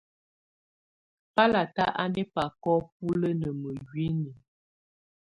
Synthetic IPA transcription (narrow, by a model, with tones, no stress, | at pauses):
pa˦la˨ta˦ʔa˦nɛ˦pa˨kɔ˦p̚u˦lə˦nə˨mə˨ɡɥi˦nə˨